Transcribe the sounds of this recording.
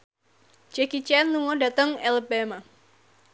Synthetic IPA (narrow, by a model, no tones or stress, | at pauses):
t͡ʃɛkit͡ʃɛnluŋɔdat̪əŋɛlbɛma